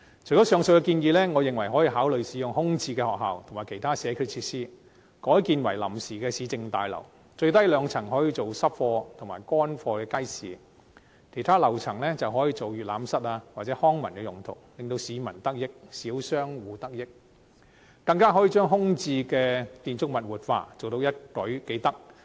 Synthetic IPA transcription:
t͡ʃʰɵ˨˩jkɔ˨˥sœː˨˧ŋsɵ˧kɛ˧kiː˧njiː˨˧lɛː˥ŋɔː˨˧jɪ˨ŋwɐ˨˩jɦɔː˨˥jiː˧ɦaː˨˥wlɵ˨ɥsiː˨˧jʊ˨ŋhʊ˥ŋt͡siː˧kɛː˧hɔː˨˩k̚ɦa̰ː˨˩wt̪ʰmaː˨˩kʰe˨˩jt̪ʰaː˥sɛː˨˧˥kʰy˧t͡sʰiː˧t̚siː˥ | kɔː˨˥jkiː˧nwɐ̰˨˩jlɐ˨˩msiː˨kɛː˧siː˨˧t͡sɪ˧ŋt̪a̰ː˨jlɐ̰˨˩w | t͡ʃɵ˧ɥt̪ɐ˥jlœː˨˧ŋt͡sʰɐ˨˩ŋɦɔː˨˥jiː˧t͡so˨wsɐ˥p̚fɔː˧t̪ʰʊ˨˩ŋmaː˨jkʷɔː˥nfɔː˧kɛː˧ka˥jsiː˨ | kʰe˨˩jt̪ʰaː˥lɐ˨˩wt͡sʰɐ˨˩ŋlɛː˥t͡sɐ˨wɦɔː˨˥jiː˧t͡so˨wjyː˨t̚laː˨˥msɐ˥t̚laː˧waː˨t̚t͡sɛ˨˧˥hɔː˥ŋmɐ˨˩nkɛː˧jʊ˨˩ŋt̪ʰʊ̰˨˩wlɪ˨ŋt̪o˧wsiː˨˧mɐ˨˩nt̪ɐ˥k̚jɪ˥k̚siː˨˥wsœː˥ŋwuː˨˧t̪ɐ˥k̚jɪ˥k̚ | kɐ˧ŋkaː˥ɦɔː˨˥jiː˨˧t͡ʃœː˥ŋɦʊ˥ŋt͡siː˧kɛː˧t̪iː˨nt͡sʊ˥k̚mɐ˨t̚wuː˨t̚fa̰ː˧t͡so˨wt̪o˧wjɐ˥t̚kɵ˨˥ɥke˨˥jt̪ɐ˥k̚

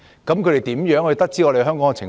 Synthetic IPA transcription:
kɐ˨˥mkʰɵ˧ɾe˨˩jt̪iː˨˥mjœː˨˥ŋɵ˧jt̪ɐ˥k̚t͡siː˥ɔ˧ɾe˨˩ɦœː˥ŋkɔː˨˥ŋɛ˧t͡sʰɪ˨˩ŋ

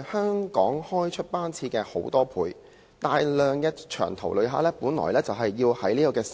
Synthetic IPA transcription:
hœː˥ŋkɔː˨˥ŋhɔː˥jt͡ʃʰɵ˥t̚paː˥nt͡sʰiː˧kɛː˧ho̰˨˥wt̪ɔː˥pʰuː˨˧j | t̪aː˨jlœː˨ŋjɐ˧t͡ʃʰœ̰ː˨˩ŋt̪ʰɐ˨˩wlɵ˨˧ɥɦaː˨˥lɛː˥puː˨˥nlɔ̰ː˨˩jlɛː˥t͡sɐ˨wɦɐ˨jːiː˧whɐ˨˥jliː˥kɔː˧kɛː˧

